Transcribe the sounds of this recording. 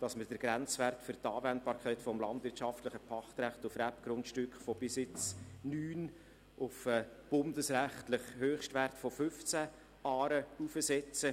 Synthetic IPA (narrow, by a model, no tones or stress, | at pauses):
d̥ɑsməɾd̥əɾɡ̥ɾænt͡sværtfʏrtɑːvɛnt̚bɑːɾkʰɛɪtfɔmlɑndvɪɾtʃɑftləχəpʰɑχt̪ɾæχtʊfræpɡ̥ɾʊntʃtʏkχfɔb̥ɪsɪt͡snyːn | ʊfɛb̥ʊndəsræχtləχhøːχʃtværtfɔfʏft͡sæ | ɑːɾəufəsɛt͡sə